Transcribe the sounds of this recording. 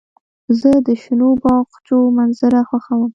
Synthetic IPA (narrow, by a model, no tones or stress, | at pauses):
zəd̪əʃɪnobɑqt͡ʃomanzaɾaxwaxawəm